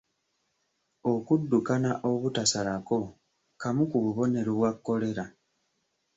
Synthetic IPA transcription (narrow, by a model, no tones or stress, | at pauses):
o̞kudːukanaʔo̞βutasalako̞ | kamukuβuβo̞ne̞ɾoβwakːo̞le̞ɾa